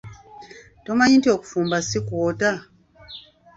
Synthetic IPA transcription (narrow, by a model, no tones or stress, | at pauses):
tɔmaɲĩntiɔkufumbasikuwɔta